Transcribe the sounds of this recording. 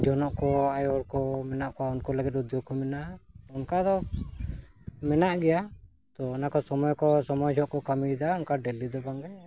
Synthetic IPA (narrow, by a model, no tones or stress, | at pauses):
d͡ʒɔnɔʔkɔajɔɾkɔmɛnaʔkɔwaɔnkɔləɡɛt̪̚ud̪jɔɡ̚kɔmɛnaɔnkad̪ɔ | mɛnaʔɡɛja | t̪ɔːnakɔsɔmɔjkɔsɔmɔjd͡ʒɔʔkɔkamid̪aɔnkaɖelid̪ɔbaŋɡɛ